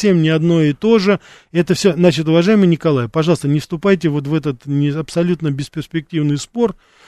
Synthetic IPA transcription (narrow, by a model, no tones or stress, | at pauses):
sʲe̞mnʲɪɐd̪no̞jɪt̪o̞ʐɨ | ɛt̪əfsʲoznat͡ɕɪt̪̬ʊvɐʐajɪmɨjnʲɪkɐlˠajɪpɐʐɑlˠəst̪ənʲɪfst̪ʊpajtʲɪvo̞t̪vɛt̪ət̪nʲɪɐpsɐlʲut̪nəbʲɪspʲɪrsʲpʲɪk̚tʲivnɨjspo̞r